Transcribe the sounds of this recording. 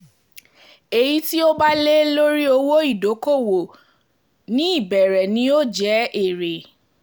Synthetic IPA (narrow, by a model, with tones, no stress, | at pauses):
e˨ji˦ti˦o˦ba˦le˦lo˦ɾi˦o˧wo˦i˦˨do˨˦ko˦˨wo˨ | nĩ˦i˦˨bɛ˨ɾɛ˨nĩ˧˦o˦˨d͡ʒɛ˨˦e˦˨ɾe˨